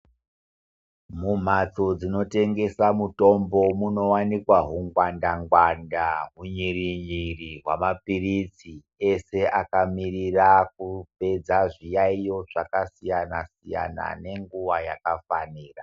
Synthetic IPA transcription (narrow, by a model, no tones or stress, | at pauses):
mum̤at͡so̞d͡zino̞te̞ŋɡe̞samuto̞mbo̞muno̞wanikwaɦuŋɡwandaŋɡwandaɦuɲiriɲiriɦwamapirit͡si | e̞se̞ʔakamirirak̚upe̞d͡zaʐijaijo̞ʐakasijanasija̰na̰ne̞ŋɡuʋajakafaniːra